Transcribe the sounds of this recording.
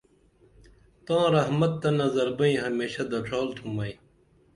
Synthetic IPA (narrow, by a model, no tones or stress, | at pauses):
t̪ãːɾɐɦmɐt̪ːɐnɐzɐɾbɐĩːɦɐmeːɕɐd̪ɐʈʰoːlt̪ʰũmɐĩ